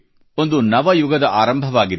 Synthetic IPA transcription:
o̞nd̪unɐʋɐjuɡɐd̪ɐʔaːɾɐmbʱɐʋaːɡid̪

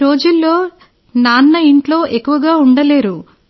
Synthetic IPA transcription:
ɾoːd͡ʒulːo̞ː | naːnːɐiɳʈlo̞ːʔe̞kːuʋɐɡaːuɳɖɐle̞ːɾu

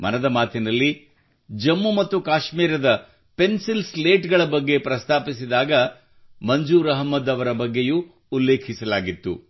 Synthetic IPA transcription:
mɐ̰nɐd̪ɐmaːt̪inɐlːi | d͡ʒɐmːumɐt̪ːukaːʃmiːɾɐd̪ɐ | pe̞nsilsleːʈɡɐɭɐbɐɡːe̞pɾɐst̪ʰaːpisid̪aːɡɐ | mɐɲd͡ʒuːɾɐɦɐmːɐd̪ɐʋɐɾɐbɐɡːejuː | lːe̞ːkʰisɐlaːɡit̪ːṵ

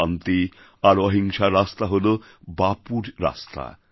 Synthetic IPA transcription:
ant̪i | aɾɔɦiŋʃaɾast̪aɦolo | bapuɾɾa̰st̪ʰa̰

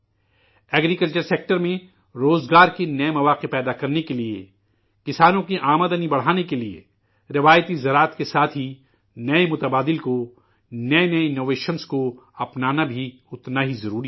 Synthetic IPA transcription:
ɛːɡɾikɐlt͡ʃəɾseːk̚ʈəɾmẽ | ɾoːzɡaːɾkinɐemɐʋaːqepɛːd̪akɐɾnekelie | kɪsaːnõkiʔaːməd̪ənibɐɽ̤aːnekeliḛ | ɾɪʋaːjt̪izɐɾaːt̪kesaːt̪ʰɦi | nɐemʊt̪ɐbaːd̪ɪlko | nɐenɐɪnoːʋeːʃənsko | ɐpnaːnabʱi | ʊt̪naɦizɐɾuːɾi

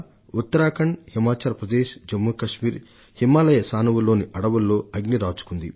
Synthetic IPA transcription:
ut̪ːɐɾaːkɐɳhimaːt͡ʃaːɾpɾɐd̪eːʃd͡ʒɐmːukɐʂmiːɾ | himːaːlɐjɐsaːnuʋulːo̞ːniʔɐɽɐʋulːo̞ːɐɡniɾaːt͡ʃu̥kund̪ḭ

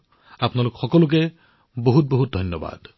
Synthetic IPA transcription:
apnalokxɔkɔluk̬e | boɦut̪̚boɦut̪̚d̪ʱɔnjɔba̰d̪

